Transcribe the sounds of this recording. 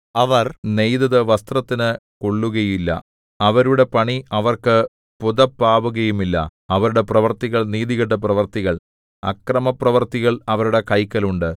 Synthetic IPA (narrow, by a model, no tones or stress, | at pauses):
ɐʋɐrne̞jd̪ɐðɨʋɐst̪rɐt̪ːinɨkoɭːuɣɐjilːɐ̰ | ɐʋɐɾuɽe̞pɐɳiɐʋɐrkɨ | puðɐpːaːʋuɣɐjumilːɐ̰ɐʋɐɾuɽe̞prɐʋɐrt̪iɣɐɭniːðiɣɐʈːɐp̬rɐʋɐrt̪iɣɐɭ | ɐ̰krɐmɐprɐʋɐrt̪iɣɐɭɐʋɐɾuɽe̞kɐjkːɐluɳɖɨ